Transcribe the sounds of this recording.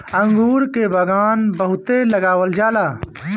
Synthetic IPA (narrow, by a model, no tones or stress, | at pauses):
ɐ̃ŋɡuːɾkebʱɐɡaːnbɐɦʊt̪elɐɡaːwəld͡ʒaːlaː